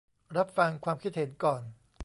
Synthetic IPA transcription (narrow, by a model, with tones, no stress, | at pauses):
ɾa˦˥p̚fa˧ŋkʰwaː˧mkʰi˦˥t̪̚he˩˦nkɔː˨˩n